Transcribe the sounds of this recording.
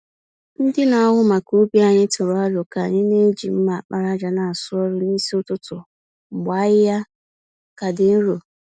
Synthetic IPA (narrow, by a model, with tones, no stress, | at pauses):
n̩˦dɪ˦na˨˦ɦʊ˦ma˨ku˦bi˦a˨ɲɪ˦tʊ˨ɾʊ˨a˦ɾɔ˨ka˨ɲɪ˦ne˦d͡ʒi˨m̩˦ma˨a˨k͡pa˦ɾa˦d͡ʒa˨na˨a˨sʊ˦ɔ˦ɾʊ˦ni˦si˦ʊ˦tʊ˦tʊ˨ | ɡ͡ba˨˦ɣɪ˦ja˦ | ka˨dɪ˨n̩˦ɾo˨